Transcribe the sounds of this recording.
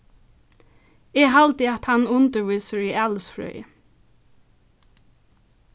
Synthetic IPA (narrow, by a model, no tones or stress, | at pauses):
ɛːɦalt̪ɪat̪hanʊnt̪əɹʋiːsəɹialsfɾœ̰ʏ